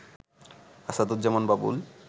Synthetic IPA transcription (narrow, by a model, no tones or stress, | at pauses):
asad̪ot̪̚d͡ʑɛmonbabṵl